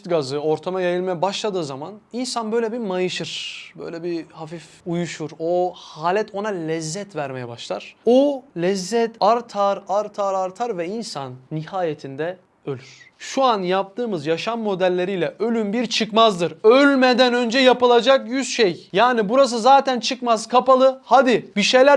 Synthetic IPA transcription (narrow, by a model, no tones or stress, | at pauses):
t̪ɡazɯo̞ɾt̪ʰamajajɯlˠmajɛbaʃlˠad̪ɯːzamaninsanbø̞jlʲɛbimajɯʃɯɾ̥bø̰jlʲɛbihafif | ujuʃuɾohaːlʲɛt̪ʰo̞nalʲɛzːɛt̪væɾmejɛbaʃlˠaɾ̥olʲɛzːɛt̪ʰaɾt̪ʰaɾaɾt̪ʰaɾaɾt̪ʰaɾvɛinsanːihaːjet̪ʰind̪ɛ | ølʲyɾ̥ | ʃuanjap̚t̪ʰɯːmɯzjaʃamːo̞d̪ælʲːe̞ɾijlʲɛʔø̞lʲymbiɾt͡ʃʰɯkmazd̪ɯɾølʲmed̪ænø̞nd͡ʒɛjapɯlˠad͡ʒakjysʃejjaːnibuɾas̬ɯzaːt̪ʰænt͡ʃʰɯkmazkʰapalˠɯhad̪ibiʃejlʲæ